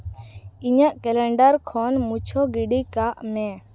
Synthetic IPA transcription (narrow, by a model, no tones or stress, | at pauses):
iɲəʔkɛlɛɳɖəɾkʰɔnmut͡ʃʰɔɡiɖikaʔmɛ̃